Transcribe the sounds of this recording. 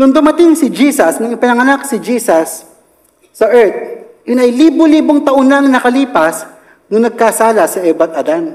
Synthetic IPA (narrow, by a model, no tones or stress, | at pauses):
nʊŋd̪ʊmɐt̪ɪŋsɪd͡ʒiːsɐsnɐŋɪpɪnɐŋɐnak̚sɪd͡ʒiːsɐsː | ɐʔɛɹt̪̚ | jʊnʔɐjliːboliːboŋt̪ɐʔʊnːanɐnɐkɐliːpɐs | nʊnɐɡ̚kasaːlɐsɐʔɛbɐt̪̚ʔɐd̪an